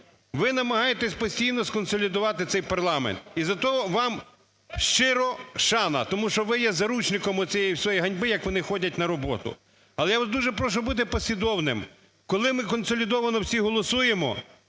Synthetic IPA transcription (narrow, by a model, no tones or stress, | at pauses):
ʋɪnɐmɐɦɑjet̪ɛsʲpɔsʲtʲijnɔskɔnsɔlʲid̪ʊʋɑt̪ɪt̪sɛjpɐrlˠɑmḛnt̪izɐt̪ɔɦɔʋɑm | ʃt͡ʃɪɾɔʃɑnɐ̰t̪ɔmuʃt͡ʃɔʋɪjɛzɐɾut͡ʃnɪkɔmɔt͡sʲijɛjwsʲɔjiɦɐnʲbɪjɐkʋɔnɪxɔdʲɐtʲnɐɾɔbɔt̪ʊ̰ | ɐlˠɛjaʋd̪uʒɛpɾɔʃɔbut̪̬ɪpɔsʲʋʲid̪ɔwnɪm | kɔlˠɪmɪkɔnsɔlʲid̪ɔʋɐnɔwsʲiɦɔlˠɔsujemɔ̰